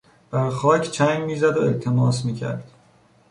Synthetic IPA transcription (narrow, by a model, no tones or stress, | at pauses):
b̥æɾxɒːcʰt͡ʃʰæŋmiːzæd̪oet̪ʰe̞mɒːsmiːcʰæ̰ɾd̪̥